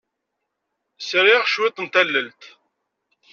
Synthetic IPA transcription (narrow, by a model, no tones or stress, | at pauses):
sɾɪʁʃwit̪ˤːənt̪ælːəlt̪